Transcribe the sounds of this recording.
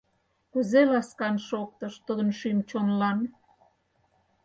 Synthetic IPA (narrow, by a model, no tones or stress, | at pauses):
kuzelɑskɑnʃok̚t̪əʃt̪ud̪ə̆nʃymt͡ɕonlɑn